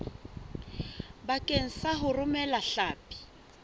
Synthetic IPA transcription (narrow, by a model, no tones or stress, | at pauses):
bakʼeŋ̩saɦʊrʊmɛlaɬaːpʼi̥